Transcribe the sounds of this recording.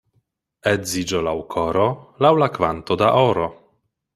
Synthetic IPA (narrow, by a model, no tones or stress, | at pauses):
ezid͡ʒolawkʰoɾolawlakvant̪od̪aʔoɾo